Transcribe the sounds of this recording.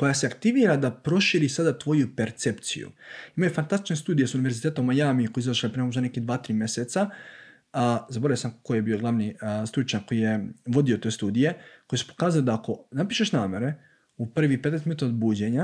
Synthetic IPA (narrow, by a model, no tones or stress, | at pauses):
ko̞jaseakt̪iʋiːɾad̪apɾo̞ʃiːɾisad̪at̪ʋo̞jupe̞ɾt̪se̞pt̪sḭjṵimajofant̪ast̪it͡ʃne̞st̪uːd̪ijesuniʋe̞ɾzit̪eːt̪omajaːmikoiizaʃepɾemooʃ̬aneked̪ʋaːt̪ɾiːmjeset̪sa | zabo̞ɾajosamkojebio̞ɡlˠaʋnist̪ɾut͡ʃakkːo̞jijeʋo̞d̪ijot̪o̞jst̪uːd̪ije̞ko̞jesu̥po̥kaːzaled̪aːko̞napiːʃe̞ʃnaːme̞ɾe̞ | upr̩ʋipet̪est̪mut̪od̪buːd͡ʑe̞ɲa